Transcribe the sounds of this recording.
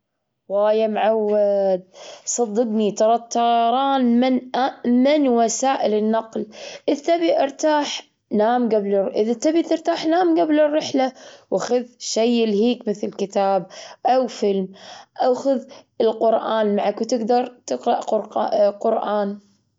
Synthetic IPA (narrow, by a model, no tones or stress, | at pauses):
waːjamʕawːad̪̚sˤɑd̪ːɨbnit̪ɑɾˤɑt̪ːɑɾˤɑːnmɪnʔamɪnwasaːʔɪlɪnːɑqlʔɪt̪ːabiʔɪɾˤt̪aːħ | naːmɡablʔɪðat̪ːabit̪ɪɾt̪aːħnaːmɡablɪrˤːɪħlawʔaxʊðʃajɪlɦiːkmɪθlkɪt̪aːbʔawfɪlmʔawxʊðɪlqʊɾʔaːnmaʕakwt̪ɪɡd̪ɑɾˤt̪ɨqɾɑʔʊɾqʊɾʔaːn